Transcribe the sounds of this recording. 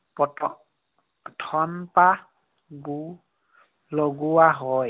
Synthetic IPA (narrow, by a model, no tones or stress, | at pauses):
pɔɔ | tʰɔmpa | ɡu | loɡuwaɦɔj